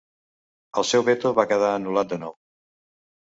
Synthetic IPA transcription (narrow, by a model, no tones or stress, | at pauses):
əlˠsɛwβet̪oβakəð̞aənulat̪̚d̪ənɔw